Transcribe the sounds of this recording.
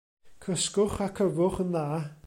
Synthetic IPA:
kʰəskʊχakʰəvʊχənːa

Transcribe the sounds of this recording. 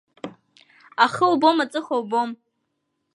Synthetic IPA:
aχəlbo̞mat͡sʼɨχawbo̞m

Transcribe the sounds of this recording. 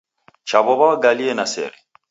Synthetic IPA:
t͡ʃaβɔβaɡaliɛnasɛ̰ɾɛ

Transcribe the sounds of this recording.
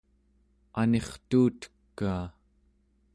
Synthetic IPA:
ane̞χt̪uːt̪ə̥kːaː

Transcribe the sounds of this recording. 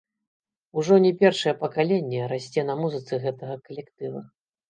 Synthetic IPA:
uʐɔnʲɛpʲɛrʂɐjɛpɐkalʲenʲːɛɾasʲt͡sʲɛnɐmuzɨt̪sɨɣɛt̪ɐɣɐkɐlʲɛkt̪ɨvɐ̰

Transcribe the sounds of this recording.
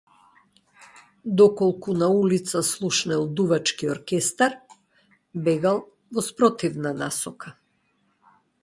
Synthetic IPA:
d̪ɔkɔlˠkunaulit̪saslˠuʃnɛlˠd̪uvat͡ʃkiɔɾkɛst̪aɾ | bɛɡalˠ | vɔspɾɔt̪ivnanasɔka

